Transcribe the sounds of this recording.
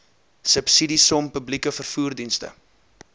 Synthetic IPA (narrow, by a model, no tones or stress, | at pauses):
səpsidisɔmpəblikəfərfuːrdinstə̰